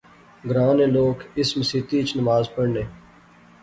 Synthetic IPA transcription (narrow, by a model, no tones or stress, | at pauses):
ɡɾãːnẽːloːkɪsmsɪt̪iːt͡ʃnəmaːzpəɽneː